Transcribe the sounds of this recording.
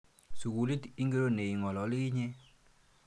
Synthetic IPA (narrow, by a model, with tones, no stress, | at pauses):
su˨ku˨li˦ti˦ŋɡe˦ɾo˦ne˨i˨ŋɔ˨lɔ˨˦li˦i˦ɲe˦